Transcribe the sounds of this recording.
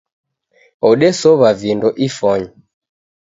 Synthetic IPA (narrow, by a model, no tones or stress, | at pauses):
ɔɗɛsɔβavindɔʔifɔɲɔ